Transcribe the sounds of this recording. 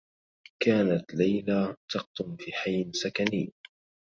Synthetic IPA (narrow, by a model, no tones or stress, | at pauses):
kaːnat̪lajlat̪ɑq̚d̪ʊmfiːħajːnsakaniː